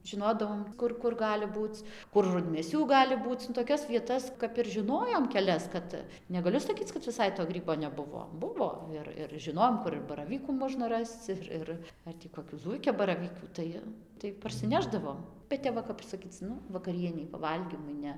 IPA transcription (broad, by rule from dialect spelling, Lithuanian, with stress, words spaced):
ʒʲɪˈnoːdɐʋoːm ˈkʊr kʊr ˈɡɑːlʲɪ ˈbuːt͡s kʊr rʊdʲmʲeːˈsʲuː ˈɡɑːlʲɪ ˈbuːt͡s nʊ toːˈkʲɛs ʋʲiɛˈtɐs kɐp ɪr ʒʲɪˈnoːjoːm kʲɛˈlʲɛs ˈkɐt nʲɛɡɐˈlʲʊ sɐˈkʲiːt͡s kɐt ʋʲɪˈsɐɪ toː ˈɡrʲiːboː nʲɛˈbʊʋoː ˈbʊʋoː ˈɪr ɪr ʒʲɪˈnoːjoːm ˈkʊr ɪr bɐrɐˈʋʲiːkuː ˈmoːʒnɐ ˈrɐst͡s ɪr ˈɪr ˈɐr tʲiː koːˈkʲuː ˈzuːɪkʲɛbɐrɐʋʲiːkʲuː ˈtɐɪ tɐɪ pɐrʲsʲɪˈnʲæːʒdɐʋoːm bʲɛt ˈtʲɛp ʋɐ ˈkɐp sɐˈkʲiːt͡s ˈnʊ ʋɐkɐˈrʲiɛnʲɛɪ pɐˈʋɐlʲɡʲiːmʊɪ ˈnʲɛ